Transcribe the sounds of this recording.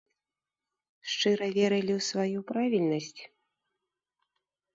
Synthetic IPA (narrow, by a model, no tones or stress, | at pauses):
ʂt͡ʂɨɾɐvʲɛɾɨlʲiwsvajupɾavʲilʲnɐsʲt͡sʲ